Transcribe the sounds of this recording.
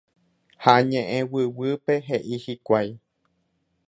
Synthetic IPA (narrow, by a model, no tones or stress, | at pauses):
haɲẽʔẽwɨwɨpe̞ɦeʔihikʷaj